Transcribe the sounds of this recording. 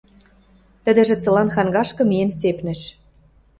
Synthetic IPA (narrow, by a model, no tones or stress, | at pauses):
t̪ə̆d̪ə̆ʒĕt͡sɤ̆lɑnxɑŋɡɑʃkɤ̆miensepnɘ̆ʃ